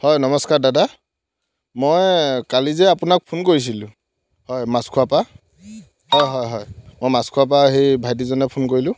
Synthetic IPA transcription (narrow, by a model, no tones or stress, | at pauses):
hɔjnɔmɔskaɹdada | mojkalizɛapʊnak̚pʰunkoɹis̬ilʊ̃ | hɔjmaskʰuwapa | hɔjɦɔjɦɔjmojmaskʰuwap̬aɦejbʱajd̬izɔnɛpʰunkoɹilʊ̃